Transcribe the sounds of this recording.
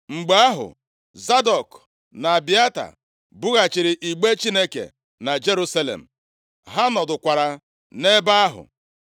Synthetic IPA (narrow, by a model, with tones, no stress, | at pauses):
ŋ͡m̩˨ɡ͡ba˦a˦ɦʊ̰˨ | za˦dɔ˨k | na˨bi˦a˦ta̰˨ | bʊ˦ɣa˨t͡ʃɪ˨ɾɪ˨ʔi˨ɡ͡be˦t͡ʃi˦ne˦kḛ˨ | na˨d͡ʒe˦ɾu˦sa˦lḛ˨m̩˨ | ɦa˦nɔ˨dʊ˨kʷa˨ɾa˨ | ne˦ba˦a˦ɦʊ̰˨